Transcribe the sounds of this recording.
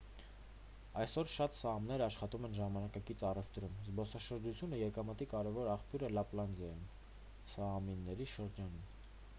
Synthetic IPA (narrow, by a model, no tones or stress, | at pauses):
ɑjsɔɾʃɑt̪sɑmnɛɾəɑʃχɑt̪umɛnʒɑmɑnɑkɑkit͡sʰɑrɛvt̪ɾumzbɔsɑʃəɾd͡ʒut͡sʰjunəjɛkɑmət̪ikɑɾɛvɔɾɑχpjuɾəlɑplɑnzjɑjin | sɑminːɛɾiʃəɾd͡ʒɑnum